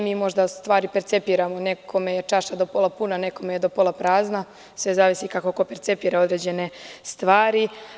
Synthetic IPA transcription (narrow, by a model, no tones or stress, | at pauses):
miːmo̞ʒd̪ast̪ʋaːɾipeɾt̪sepiːɾamo̞ne̞kʰo̞me̞jet͡ʂaʃad̪o̞po̞lapunane̞ko̞me̞jed̪o̞po̞lˠapɾaːzna | sʋe̞zaːʋisikakoko̞peɾt̪se̞piːɾao̞d̪ɾed͡ʑe̞ne̞st̪ʋaːɾi